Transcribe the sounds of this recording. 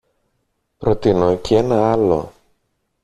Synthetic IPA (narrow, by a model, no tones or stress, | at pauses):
pɾo̞t̪inocʰeenɐɐlo̞̰